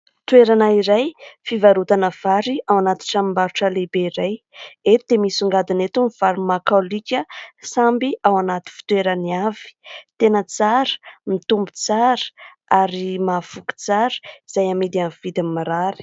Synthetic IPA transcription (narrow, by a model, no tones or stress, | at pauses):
t̪weɾanaiɾajfivaɾut̪anəv̥aɾiawanat̪i̥ʈ͡ʂamimbaɾuʈ͡ʂəlebeiɾaj | et̪t̪emisuŋɡad̪inet̪umv̥aɾimakalikʲəsambiʔawanat̪i̥fi̥t̪weɾaniav̥i̥t̪enət͡saɾə̥mit̪umbu̥t͡saɾə̥ | aɾimafuki̥t͡saɾə̥iz̥ajamid̪anv̥id̪ammaɾaɾi̥